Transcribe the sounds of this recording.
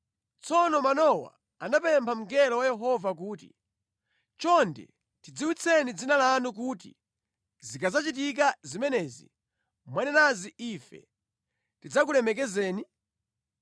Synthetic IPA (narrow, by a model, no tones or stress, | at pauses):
t͡sɔnɔmanɔwa̰ | anapɛmpʰam̩ɡɛlɔwajɛɦɔvak̬uːtḭ | t͡ʃɔndɛ̰ | tid͡ziwit͡sʰɛnid͡zinalanuk̬uːtḭ | zikazat͡ʃit̬ik̬azimɛnɛzḭ | mwanɛnaziiːfɛ̰ | tid͡zak̬ulɛmɛk̬ɛzɛːni